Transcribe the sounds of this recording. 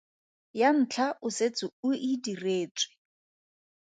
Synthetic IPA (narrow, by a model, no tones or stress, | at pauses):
jan̩t͡ɬʰaʔʊset͡sʼʊʊidireːt͡sʼwɪ̥